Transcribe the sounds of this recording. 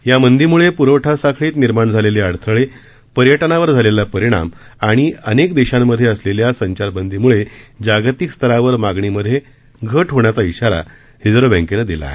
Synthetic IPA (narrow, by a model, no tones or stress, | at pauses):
jamənd̪ʱiːmuɭepuɾəʋʈʰasakʰɭiːt̪niɾmaɳd͡zʱaleleaɽt̪ʰəɭe | pəɾjəʈənaʋəɾd͡zʱalelapəɾiɽ̃a̰maɽ̃iənekd̪eɕamːəd̪ʱːjeəsleljasəɲt͡ɕaɾbənd̪ʱiːmuɭed͡ʑaɡt̪ikst̪ʰəɾaʋəɾmaɡɳiməd̪ʱːje | ɡʱəʈɦoɳ̃jat͡saiɕaɾa̰ | hid͡zɾobə̃ŋkenəd̪ila̰e